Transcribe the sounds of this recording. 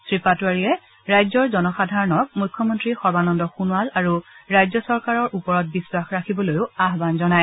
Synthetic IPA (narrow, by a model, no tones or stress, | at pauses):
sɹipatuaɹiɛ | ɹajzɔɹzɔnɔxadʱaɹɔnɔk̚mujkʰːɔmɔntɹixɔbanɔndɔxunwalaɹuɹajzɔsɔɹkaɹɔɹʔupɔɹɔt̚biswaxɹakʰibɔlojʊaɦbanzɔnaj